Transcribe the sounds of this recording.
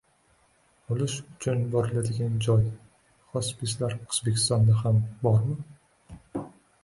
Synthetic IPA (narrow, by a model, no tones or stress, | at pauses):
olˠɪʃʊt͡ʃʰʊnbɒɾɪlad̪ɪɡʲand͡ʒɒj | hɒspislaɾqʰʊzbekʲʰɪ̥st̪ɒnd̪ahambɒɾmɪ